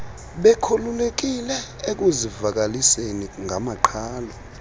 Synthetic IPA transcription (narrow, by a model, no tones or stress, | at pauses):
ɓɛkʰululek̬ilɛek̬uzivak̬aliseniŋʱamaǃʰaːlɔ